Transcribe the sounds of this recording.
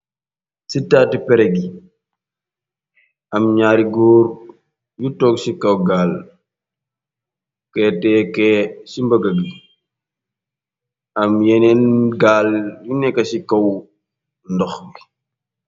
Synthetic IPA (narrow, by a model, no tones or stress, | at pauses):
sitaːtipɛɾɛɡi | ɐmɲaːɾiɡɔːr | jutɔːksikɐwɡaːl | kɛːtɛːkɛsimbɐɡɐɡi | ɐmjɛnɛnɡaːljunɛkːɐsikɐw | ndɔxɡi